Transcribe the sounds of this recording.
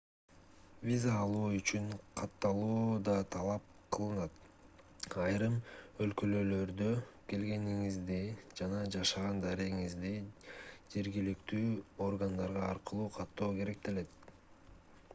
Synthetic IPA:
vʲizaːlˠuːyt͡ʃyŋqʰɑt̪ːɑlˠuːd̪ɑt̪ʰɑlˠɑp̚qʰɯlˠɯnɑt̪ | ɑjɾɯmø̞lkø̞lø̞ːlø̞ɾd̪øke̞lɡe̞niŋizd̪id͡ʒɑnɑd͡ʒɑʃɑʁɑnd̪ɑɾeɣiŋizd̪i | d͡ʒe̞ɾɡilikt̪yːo̞rɡand̪ɑɾʁɑːɾqɯlˠuːqʰɑt̪ːo̞ːke̞ɾe̞k̚t̪ele̞t̪̚

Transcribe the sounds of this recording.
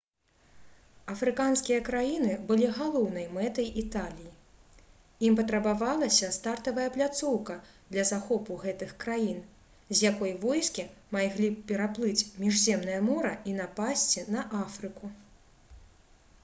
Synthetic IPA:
ɐfɾɨkanskʲijɐkɾajinɨbɨlʲiɣalˠɔwn̪ɐjmɛt̪ɐjʔit̪alʲiji | impɐt̪ɾɐbavalˠɐsʲɐst̪art̪ɐvɐjɐplʲat̪sɔwkɐ | d̪lʲɐzaxɔpuɣɛt̪ɨxkɾajin | zʲjakɔjvɔjskʲimajɣlʲipʲɛɾaplˠɨt͡sʲmʲiʐzʲɛmnɐjɐmɔɾɐʔinapasʲt͡sʲinɐʔafɾɨku

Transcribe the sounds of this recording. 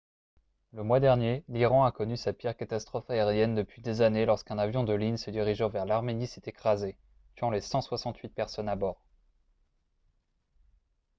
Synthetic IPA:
ləmwad̪ɛʁnjeliʁɑ̃akɔnysapiʁkat̪ast̪χɔfaeʁjɛnd̪əpɥid̪ezanelɔʁskɛ̃navjɔ̃d̪əlinsəd̪iʁiʒɔ̃vɛʁlaʁmenisɛt̪ekχaze | t̪ɥɑ̃lesɑ̃swasɑ̃t̪ʰɥit̪̚pɛʁsɔnabɔːʁ

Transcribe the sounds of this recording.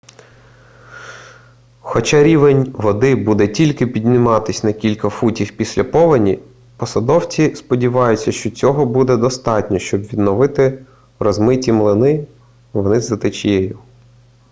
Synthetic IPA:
xɔt͡ʃaɑɾʲiʋenʲʋɔd̪ɪbud̪ɛtʲilʲkɪpʲid̪nɪmɑt̪ɪsʲnɐkʲilʲkɐfutʲiwpʲisʲlʲɐpɔʋɐnʲi | pɔsɐd̪ɔwt͡sʲispɔdʲiʋɑjʊt͡sʲːɐʃt͡ʃɔt͡sʲɔɦɔbud̪ɛd̪ɔst̪ɑtʲnʲɔʃt͡ʃɔbʋʲid̪nɔʋɪt̪ɪ | rɔzmɪtʲimlˠɪnɪ | ʋnɪzɐt̪ɪt͡ʃjɛjʊ

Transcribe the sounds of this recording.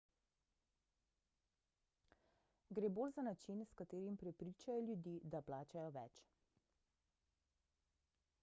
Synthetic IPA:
ɡɾeːboːlzanat͡ʃinskat̪eːɾimpɾɛpɾiːt͡ʃajɔljud̪iːd̪aplaːt͡ʃajɔʋɛt͡ʃ

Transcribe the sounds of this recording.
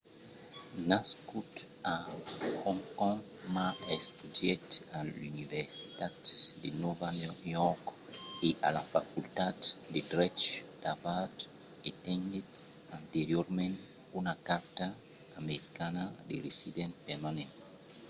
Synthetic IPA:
naskut̪ | ahɔ̃ŋkɔ̃ŋ | maest̪udjet̪alyniveɾsi̥t̪at̪d̪ḛnɔvanojɔkeʔa̰lafakult̪at̪d̪edɾɛt͡ʃd̪̥avat | et̪ɛ̃ndet̪ | ãnt̪eɾjoɾmẽnt | unakaɾt̪aː | meɾikanad̪eɾesid̪ɛ̃npeɾmanẽnt

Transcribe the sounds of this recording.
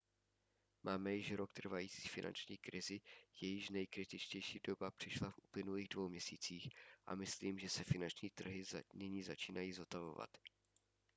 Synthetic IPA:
maːmɛjɪʃɾok̚t̪r̩vajiːt͡si̥ːfɪna̰nt͡ʃɲiːkɾɪzɪjɛjɪʃnɛjkɾɪt̪ɪt͡ʃcɛjʃiːdo̞bapr̥ɪʃlafʔuplɪnuliːɣdvowmɲɛsiːt͡siːxʔa̰mɪsliːmʒɛsɛfɪnant͡ʃɲiːt̪r̩ɦɪnɪɲiːzat͡ʃiːnajiːzot̪avo̞̰va̰t̪

